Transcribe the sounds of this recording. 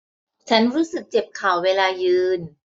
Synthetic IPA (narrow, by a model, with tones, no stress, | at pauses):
t͡ɕʰa˦˥nɾuː˦˥sɯ˨˩k̚t͡ɕe˨˩p̚kʰaː˨˩wweː˧laː˧jɯː˧n